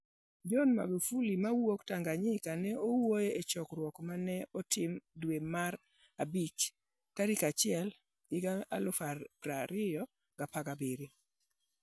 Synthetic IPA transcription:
d͡ʒɔnma̰ɡufulimawoktaŋɡaɲɪkanɛowojeet͡ʃɔkɾwɔkmanɛɔtʰɪmdwemaɾ | abit͡ʃ | kaɾikat͡ʃɪɛl | ɪɡaa̰lʊfaɾaɾɪjɔ | ɡ̥apaɡabeɾi

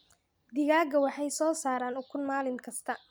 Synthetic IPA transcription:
d̪ɪɣaːɡɐwɑħɑjsɔːsaːɾaːnʊkʰʊnmaːlɪŋkʰɐst̪ʰɐ

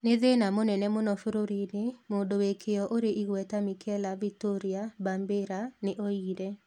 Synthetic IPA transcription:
nɪðɪnamonɛnɛmonɔfɾoɾidɪmodowekʰejɔʔoɾeʔiɡwɛtamikʰɛlavik̚toɾiabambeɾanɪʔoidɛ

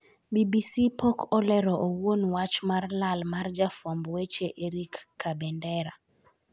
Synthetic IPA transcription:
bibisipɔkʰɔlɛɾɔʔowonwat͡ʃmarlalmard͡ʒafɔmbwet͡ʃeʔeɾikːabɛndɛɾa

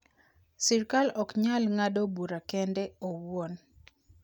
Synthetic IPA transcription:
sirkalɔkɲalŋadobuɾakɛndɛowon

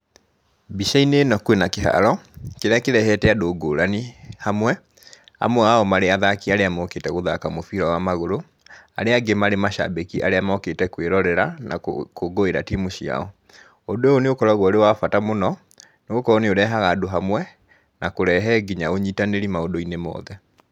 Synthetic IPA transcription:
biʃainenɔkwenakeɦa̰ɾɔkeɾakeɾɛhɛtɛadoːɡoɾanihamwɛ | a̰mwɛaɔmaɾeaðakiaɾeamɔketɛɣoðakamofiɾɔwamaɣoɾo | aɾeaɡemaɾemaʃa̰bekiʔaɾeamɔketɛkweɾɔɾɛɾana̰koɡoeɾatimoɕia̰ɔ | odooneokɔɾɔɣwɔoɾewafatamonɔ | neɣokɔɾɔneoɾɛɦaɣadoɦamwɛ | nakoɾɛɦɛɡiɲaoɲiːtaneɾimaodoinemɔ̰ðɛ

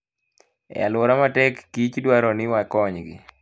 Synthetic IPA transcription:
ɛ̰a̰lwoɾamatɛkːit͡ʃdwaɾɔnɪwakɔɲɡɪ̰

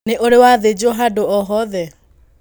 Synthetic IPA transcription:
eʔoɾewaðed͡ʒoɦadoɔɦɔðɛ

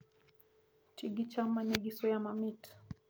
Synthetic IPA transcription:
tiɡit͡ʃamanɛɡisɔjamamit

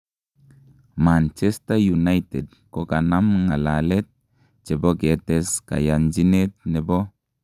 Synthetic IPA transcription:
mant͡ʃestajunajtɛd̚kokanamŋalalɛt̪̚ | t͡ʃebɔɡetɛska̰jand͡ʒinet̪̚nɛbɔ

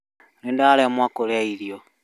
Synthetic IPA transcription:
nindaalemwakolaiɾjo

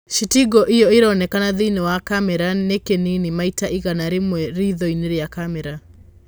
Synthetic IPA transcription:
ʃitiɡɔʔejɔeɾɔːnɛkanaðiinɛwakamɛɾanekeninimaitaʔiɣanaɾemwɛɾiðɔineɾjakamɛɾa

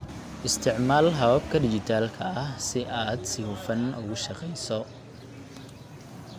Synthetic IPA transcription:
ʔɪst̪ʰɪʕmaːlɦɐβɐb̚kʰɐɖɪt͡ʃɪt̪ʰaːlkʰɐɐhsɪʔaːd̪sɪhʊfɐnʊ̰ɣʊʃɑqɛjsɔ

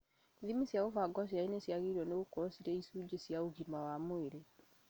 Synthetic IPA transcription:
ðimisjaɣovaɡɔs̬jainesjaɣiiɾwɔneɣokɔsiɾɛisud͡ʒesjaoɣimawamoeɾe

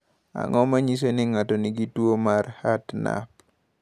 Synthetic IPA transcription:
a̰ŋɔmaɲis̬eniŋatoniɡitwomarhatna̰p

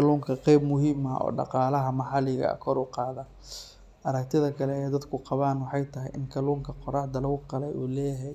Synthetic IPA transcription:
kɐluːŋkʰɐqɛjbmʊɦiːmɐɔ̰ːɖɑ̰qɑːlɐɦɐmɑħɑlɪɣɐ̰kʰɔɾʊqɑːðɐ | ʔɐɾɐkt̪ʰɪðɐkʰɐlɛɛjd̪ɐd̪kʰʊqɑβaːnwɑħɑjt̪ʰɐɦɛjʔɪŋkʰɐluːŋkʰɐqɔɾɑːħd̪ɐlɐwqɑlɛjuːlɛːjɐɦɛj

